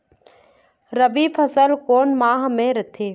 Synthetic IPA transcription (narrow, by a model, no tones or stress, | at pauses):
ɾəbipʰəsəlkoːnmaːɦmẽɾɐt̪ʰeː